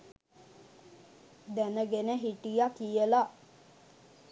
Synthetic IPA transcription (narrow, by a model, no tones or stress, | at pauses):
d̪ænəɡenəɦiʈijakijəla